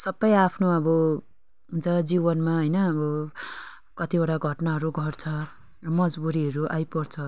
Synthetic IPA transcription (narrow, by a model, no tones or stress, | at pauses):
sʌbːʌjapʰnoʌbʌ | ɦunt͡sʰʌd͡zibʌnmaɦʌjnʌʌbʌ | kʌt̪ibaɽaɡʱʌʈnaɦʌɾuɡʱʌrt͡sʰʌ | rʌmʌd͡zbuɾiɦʌɾuʔajpʌrt͡sʰʌ